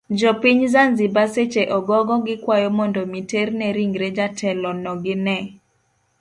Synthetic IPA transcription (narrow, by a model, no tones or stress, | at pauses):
d͡ʒɔpiɲzanzibaset͡ʃeʔɔɡɔɡɔɡɪkwajɔmɔndɔmiternɛɾiŋɡɾed͡ʒatʰɛlɔnɔɡɪnɛ